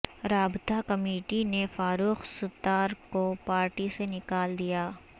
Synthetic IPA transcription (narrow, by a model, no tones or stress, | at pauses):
ɾaːbt̪akɐmeːʈinefaːɾuːxsʊt̪ːaːɾkopaːɾʈisenɪkaːld̪ijaː